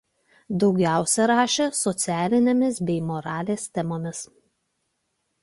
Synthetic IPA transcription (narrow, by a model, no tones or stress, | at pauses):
d̪ɒʊɡʲæˑʊsʲɛɾɑːʃʲesɔt̪sʲæːlʲɪnʲemʲɪsbʲɛɪmɔɾɑːlʲeːst̪ʲɛmoːmʲɪs